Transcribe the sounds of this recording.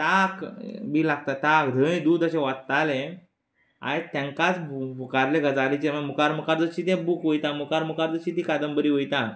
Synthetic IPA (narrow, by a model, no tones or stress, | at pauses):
t̪akbiːlaɡ̚t̪at̪akd̪ʱə̃ĩd̪uːd̪əɕẽʋatt̪alẽ | a̰et̪jãŋkat͡smukaɾleɡəd͡zalit͡ɕeməmukaɾmukaɾd͡zəɕiːt̪̬jãbuːkʋəjt̪amukaɾmukaɾd͡zəɕiːt̪ikad̪əmbəɾiːʋəjt̪a